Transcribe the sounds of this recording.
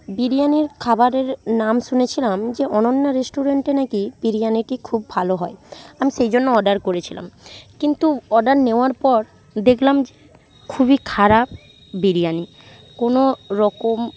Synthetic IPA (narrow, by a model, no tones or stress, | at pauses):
biɾijaniɾkʰabaɾeɾnamʃunet͡ɕʰilamd͡ʑeɔnonːaɾesʈuɾeɳʈenakibiɾijaniʈikʰubːʱaloɦɔeamiʃejd͡ʑonːoɔɖaɾkoɾet͡ɕʰila̰mkint̪uɔɖaɾneoaɾpɔɾ | d̪ekʰlamd͡ʑe | kʰubikʰaɾap̚ | biɾijani | konoɾɔkom